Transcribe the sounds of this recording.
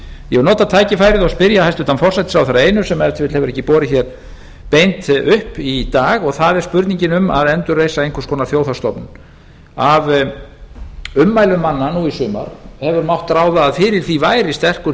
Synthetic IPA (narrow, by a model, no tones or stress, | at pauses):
jɛvnɔːt̪at̪ʰaːjcɪfaːjɾɪðɔspɪɾjahajst̪ʏht̪anfɔr̥sɛt̪sawθɛɾaejnʏsɛmːaɾt̪ʰfɪt̪l̥hɛvʏɾɛhcːɪpɔːɾɪçɛɾ̥ | pejnt̪ʏhpit̪aːɣɔɣθaðɛɾ̥spʏɾt̪niɲcɪnʏma̰ðɛnt̪ʏrːejsaejnkʰɛ̥ɾskʰɔːnaθjoːwθast̪ɔpnʏ | av | ʏmːajlʏmːanːanuisʏːma̰ɾ̥hɛvʏɾmawht̪ːɾaːwðaːðfɪːɾɪɾ̥θivaːjɾɪst̪ɛr̥kʏɾ